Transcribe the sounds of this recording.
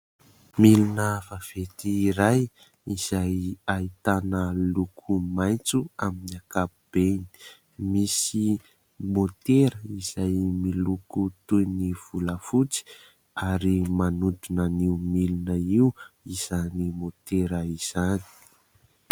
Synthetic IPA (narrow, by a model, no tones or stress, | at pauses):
milinəvav̥et̪iːɾaj | iz̥ajait̪anəlukʰumajnt͡suaminiakapub̥eni̥ | misi | mot̪eɾəiz̥ajmilukut̪ujniv̥uləfut͡si̥ | aɾimanud̪unəniumilinəiuiz̥animot̪eɾəiz̥ani̥